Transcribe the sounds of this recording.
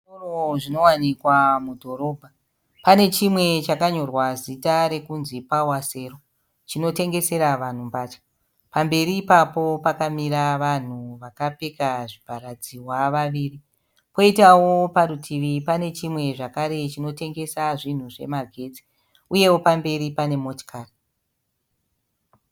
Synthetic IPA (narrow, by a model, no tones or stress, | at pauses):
oroʐino̞wanikwamudʱo̞ɾo̞ːbʱa | pane̞t͡ʃimwe̞t͡ʃakaɲo̞rwazitaɾe̞kunzipawase̞ːro̞ | t͡ʃino̞te̞ŋɡe̞se̞ɾaʋan̤umbaːt͡ʃḁ | pambe̞ɾiːpapo̞pakamiɾaʋan̤uʋakapekaʐipaɾad͡ziwaʋaʋiːri | po̞itawo̞paɾutʰiʋipane̞t͡ʃimwe̞ʐakaɾe̞t͡ʃino̞te̞ŋɡe̞saʐin̤uʐe̞̰maɡʱe̞d͡zi̥ | uje̞wo̞pambe̞ɾipane̞mo̞tkʰari